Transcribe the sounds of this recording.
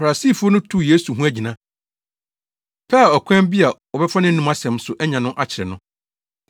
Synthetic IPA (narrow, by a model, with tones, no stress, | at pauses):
fa˨a˨si˦˨fu˦ɔ˦nʊ̃˦tʰu˦˨je˦su˨ɦũ˦æ˦d͡ʑi˨nã˦ | pʰɛ˦a˨ɔ˨kʰʷɛ̃˦m˦bi˦a˨ | ɔ˨bɛ˦fa˦nɪ̃˦n̩˦nũ˦ma˦sɛ̃˨m˦sʊ˨ʔɛ˦ɲã˨nʊ̃˦ʔa˦t͡ɕʰɪ˨ɾɛ˨nʊ̃˦